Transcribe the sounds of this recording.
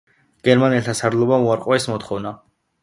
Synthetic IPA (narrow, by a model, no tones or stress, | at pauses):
ɡ̥ɛɾmanɛlt̪ʰasaɾlˠɔbauaɾqʼɔɛsmɔt̪ʰχɔvna